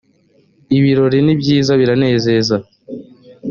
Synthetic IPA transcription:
iβiɾo̞ɾinibɟiːzaβiɾane̞ːze̞ːza

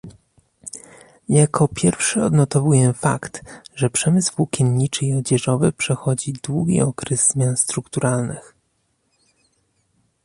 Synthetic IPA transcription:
jakʰɔpʲjɛɾfʂɘɔd̪nɔt̪ɔvujɛfa̰kt̪ʐɛpʂɛmɘsvukʲinɲit͡ʂɘiɔd͡ʑɛʐɔvɘpʂɛxɔd͡ʑid̪wuɡʲḭɔkɾɛzːmʲjanst̪ɾukt̪uɾalnɘx

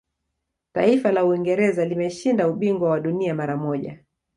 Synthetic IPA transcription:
taifalauiŋɡɛɾɛzalimɛʃindauɓiŋɡwawaɗuniamaɾamɔʄa̰

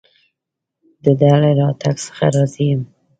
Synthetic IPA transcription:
d̪əd̪alaɾɑt̪ʰaɡsə̥xa̰ɾɑzijəm

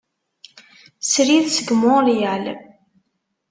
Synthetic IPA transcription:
sɾiðsəɡmʊljæl

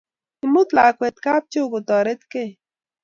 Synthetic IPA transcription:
imut̪laːkwet̪kaːp̚t͡ʃoɡut̪ɔɾet̪ke

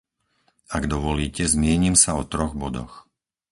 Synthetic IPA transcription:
aɡd̪ɔʋɔliːcɛzmɪɛɲimsaɔt̪ɾɔɣbɔd̪ɔ̰x

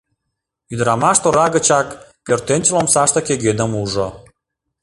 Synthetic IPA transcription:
yd̪ɾɑmɑʃt̪oɾɑɣə̆t͡ɕɑkkørt̪enʲt͡ɕəlomsɑʃt̪ə̆keɣenə̆muʒo

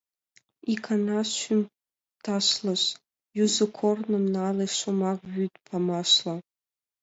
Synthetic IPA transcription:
ikʰanaɕʷʏm | tʰaʃlaʃʷ | juzɨkʷʰornɨmnaːlajʂʷomaʁʒytʼpʰamaʃla

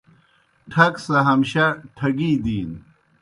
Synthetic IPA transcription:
ʈʰɐksɐɦɐmɕɐʈʰɐɡiːd̪iːn

